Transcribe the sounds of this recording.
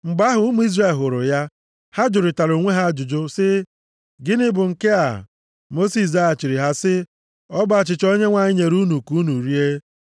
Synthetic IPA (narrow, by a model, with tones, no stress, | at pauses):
ŋ͡m̩˨ɡ͡ba˦ɦʊ˨˦mu˦i˦zre˨lɦʊ˨ɾʊ̰˨ja˦ | ha˦d͡ʒʊ˨ɾɪ˨ta˨ɾo˨ŋʷe˦ɦa˦d͡ʒʊ˨d͡ʒʊ˦sɪ˦ | ɡɪ˦nɪ˦bʊ˨ŋ̩˨ke˦a̰˨ | mo˦si˨s̬a˦a˨t͡ʃi˨ɾi˨ɦa˦sɪ˦ | ɔ˦ba˦˨t͡ʃɪ˨t͡ʃo˦ɲe˦ŋʷa˨ɲɪ˦ɲe˨ɾu˦nu˨ku˨˦u˦nu˨ɾi˦e˦